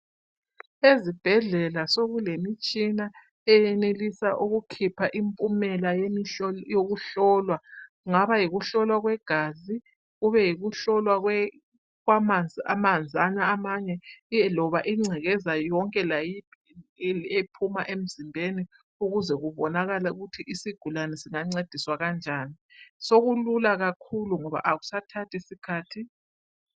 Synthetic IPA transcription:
ezib̥ʱɛɮɛlasoɣulemit͡ʃʼina | ɛjɛnelisaʔuɣukʰipʰaʔimpʼumɛlajjoɣuɬɔːlwa | ŋaβajiɣuɬɔlwaɣwɛɡ̥ʱaːzi | ɣuβɛjiɣuɬɔlwaɣwɛ | ɣwamamand͡zʱanaːmaɲɛlɔβaʔiŋ͡ǀʱɛɣɛzajɔŋkʼɛlaji | epʰumaʔem̩zimbʱeni | uɣuzɛɣuβɔnaɣalauɣutʰiʔisiɡ̥ʱulanɛsiŋaŋ͡ǀed̥ʱiswaɣand͡ʒʱaːnisoɣululaɣakʰuluŋɔβa̰ʔaɣu̥satʰatʰisikʰaːtʰi

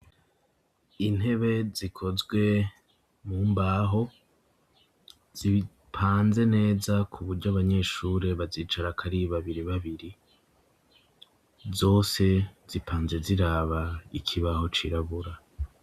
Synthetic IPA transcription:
in̥e̞βe̞zikʰo̞zɡwe̞ | muːmbaːɦo̞ | z̥iβi | pʰaːnze̞ne̞ːzakʰuβuɾɟoaβaɲe̞ʃuːɾe̞βaziːt͡ʃaɾakʰaɾiβaβiɾiβaβiɾi | zo̞ːse̞z̥ipʰaːnze̞ziɾaːβaikʰiβaho̞t͡ʃiɾaβuɾa

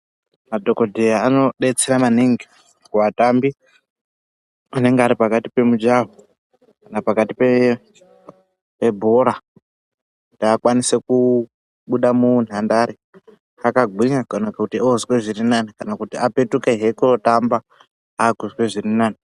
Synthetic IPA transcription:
madʱo̞ko̞dʱejaano̞ɗe̞t͡seɾamaniŋɡi | kuwatambi | ane̞ŋɡeaɾipakatipe̞mud͡ʒaɦo | kanapakatipe | pe̞bʱo̞ɾa | ku̥tiakwanise̞ku | ɓuɗamun̤andaːɾi | akaɡʱwiɲakanakakutiozweʐirinanikanakutiape̞tuke̞ɦe̞kurotamba | aɡʱuzwe̞ʐirinaːni

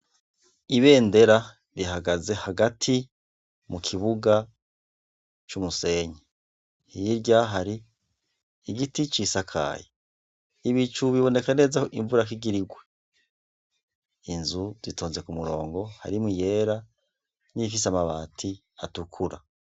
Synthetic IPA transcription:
iβe̞ːnde̞ɾa | ɾiɦaɡaze̞haɡatʰi | mukʰiβuɡa | t͡ʃumuse̞ːɲe | hiɾɟaɦaɾiː | ɡitit͡ʃisakʰa̰ːje | iβit͡ʃuβiβo̞ne̞kane̞zahoʔiɱvuɾak̬iɡiɾiɡwe̞ | inzuz̥itʰo̞ːnze̞kumuɾo̞ːŋɡo̞ha̰ɾimije̞ːɾa | nifisamaβa̰ːtʰi | a̰tukʰuɾa̰

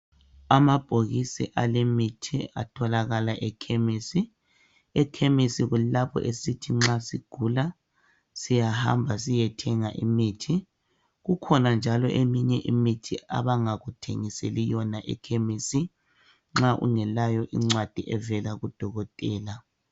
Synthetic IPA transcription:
amab̥ʱoɣisḭʔalemitʰia̰tʰɔlaɣalaʔɛkʰemiːsi | ɛkʰemisiɣulapʰɔ̰ʔesitʰiŋ͡ǁasiɡ̥ʱula | sijaha̰mbʱasijɛtʰɛŋaʔimiːtʰi | ɣukʰɔnand͡ʒʱalɔʔemiɲɛʔimitʰia̰βaŋaɣutʰḛŋiselijɔnaʔɛ̰kʰemisi | ŋ͡ǁaʔṵŋɛlajɔʔḭŋ͡ǁwad̥ʱiʔɛvɛlaɣud̥ʱɔɣɔtʼɛːla

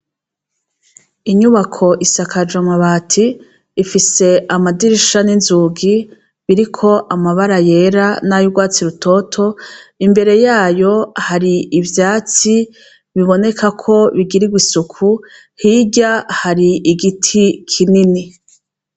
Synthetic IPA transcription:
iɲuβakʰo̞ʔisakʰad͡ʒamaβaːtʰiː | fise̞ʔamadiɾiʃaninzuːɡi | βiɾikʰo̞ʔamaβaɾaje̞ɾanajuɡwaːt͡siɾutʰo̞tʰo̞imbe̞ɾe̞jaːjo̞haɾiivjaːt͡si | βiβo̞ne̞kakʰo̞βiɡiɾiɡwisukʰu | hiːɟahaɾiiɡitʰikʰinini

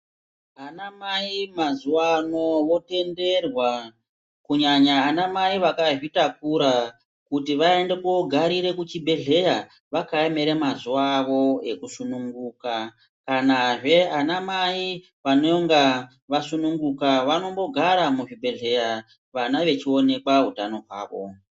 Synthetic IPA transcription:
anamaimazuwano̞ʋo̞te̞nde̞rwa | kuɲaɲaːnamaiʋakaʐitakuɾa | kutiʋae̞ndekoɡʱaɾiɾe̞kut͡ʃibʱe̞ɮe̞ja | ʋakaeme̞ɾe̞mazuaʋo̞e̞kusunuŋɡuːka | kanaʐe̞anamai | ʋanoŋɡa | ʋasunuŋɡukaʋano̞mbo̞ɡʱaɾamuʐibʱe̞ɮe̞ja | ʋanaʋe̞t͡ʃio̞ne̞kaɦutano̞ɦwa̰ːʋo̞̰

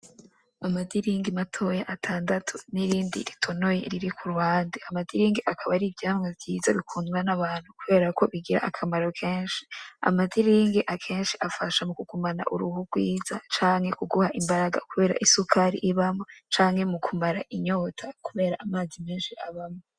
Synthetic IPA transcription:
amadiɾiːŋɡimatʰo̞jaʔatʰaːndatʰuniɾiːndḭɾitʰo̞no̞jḛɾiɾikʰuɾuwaːndiamadiɾiːŋɡiʔakʰaβaɾibjaːmŋevjiːzaβikʰuːnuɾanaβaːnhukuβe̞ːɾako̞βiɡiɾa̰ʔakʰamaɾo̞kʰeːnʃi̥a̰madiɾiːŋɡiʔakʰe̞ːnʃiʔafaʃamukukumana̰ʔuɾuhuɡwiːzat͡ʃaːŋhe̞kuɡuhaʔimbaɾaɡa̰kuβe̞ːɾa̰ʔisukʰaɾḭʔiβamot͡ʃaːŋhe̞mukʰumaɾaʔiɲo̞ːtʰakuβe̞ːɾaʔamaːzimeːnʃiʔaβamo

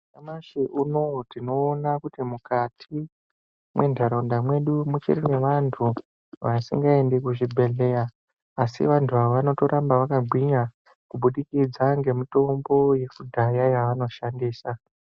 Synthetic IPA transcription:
amaʃiʔuno̞tino̞ːnakutimukatʰi | mwʔe̞ndʱaɾondamwe̞ɗumut͡ʃḭrine̞ʋantʰu | ʋasḭŋɡaendekuʐibʱe̞ɮe̞jaː | sḭʋantʰuʋaoʋano̞to̞ɾambaʋakaɡʱwiɲa | kuɓuɗikid͡zaŋɡe̞mito̞mbo̞je̞kudʱajajaʋano̞ʃandiːsa

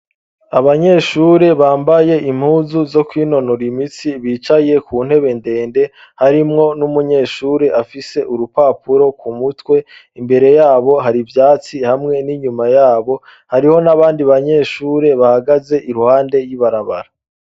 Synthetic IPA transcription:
aβaɲe̞ːʃuːɾe̞βaːmbaje̞ʔim̥huːzuzo̞kwiːno̞noɾimit͡siβiːt͡ʃaje̞kuːn̥he̞βe̞nde̞ːnde̞ | haɾimŋo̞numuɲe̞ːʃuːɾe̞ʔafise̞ʔuɾupaːpuɾo̞kumutwe̞imbe̞ɾe̞jaːβo̞ɦaɾivjaːt͡sihamŋe̞niɲumajaːβo̞ | haɾiho̞naβaːndiβaɲe̞ːʃuːɾe̞βahaɡaze̞ʔiɾuhaːnde̞jiβaɾaβa̰ɾa

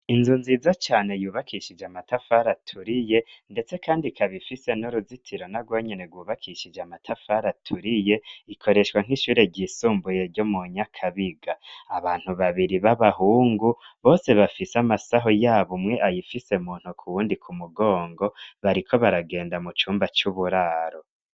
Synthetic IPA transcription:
inzunzizat͡ʃaːne̞juːβakʰiʃid͡ʒamatafaɾatʰuɾije̞nde̞t͡se̞kʰaːndikʰaβifise̞noɾuzitʰiɾo̞naɡwo̞ːɲene̞ɡwuːβakʰiʃid͡ʒamatʰafaɾatʰuɾije̞ikʰo̞ɾe̞ʃwaŋ̥iʃuːɾe̞ɟiːsuːmbujeɾɟo̞muɲakʰaβiɡaaβaːn̥huβaβiɾiβaβahuːŋɡuβo̞ːse̞βafisamasaɦo̞jaːβomŋe̞ʔajifise̞muːn̥hukʰuwuːndikʰumuɡo̞ːŋɡo̞βaɾikʰo̞βaɾaɡe̞ːndamut͡ʃuːmbat͡ʃuβuɾaːɾo̞

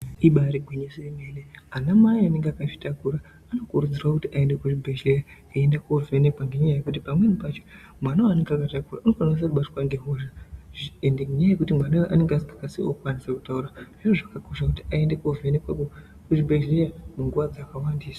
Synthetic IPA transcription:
iɓaɾiɡʱwiɲisirimeneanamaianeŋɡeakaʐi̥takuɾa | ano̞kuɾud͡zirak̬utiʔae̞ndekuʐibʱeʒleja | aendakuovenekwaŋɡeɲajajekut̬ipamwe̞nipat͡ʃo | mwanaaneŋɡakatakuraunokanos̬aruɓatwaŋɡe̞ɦoʒa | endeŋɡɲaajekutimwanaoʔaneŋɡeasiɡakasiokwaniseku̥tauɾaʐ̥iroʐakako̞ʃakutiae̞ndekovenekwako | kuʐibʱeʒlejamuŋɡuʋad͡zakawandiːsa

